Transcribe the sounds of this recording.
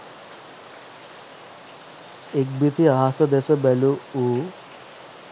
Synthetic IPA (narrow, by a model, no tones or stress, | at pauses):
ek̚bit̪iaɦasɐd̪esɐbɛluu